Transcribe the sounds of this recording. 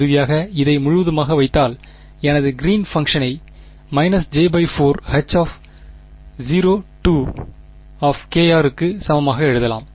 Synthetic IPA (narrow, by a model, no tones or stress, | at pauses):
ɾɯʋɪjaːɣɐɪðɐɪmʊɻʊʋɐðɯmaːɣɐʋɐɪt̪ːaːl | ɛnɐðɯɡɪɾiːnfɐŋkʂɐnɐɪ | mɐɪnɐsd͡ʒeːbɐɪfoːɾhɐt͡ʃːaːf | ziːɾoːʈuː | aːfkeːjaːɾɯkːɯsɐmɐmaːɣɐɛɻɯðɐla̰ːm